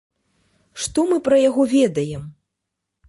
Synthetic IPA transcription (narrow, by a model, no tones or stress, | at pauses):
ʂt̪ɔmɨpɾɐjaɣɔvʲɛd̪ɐjɛm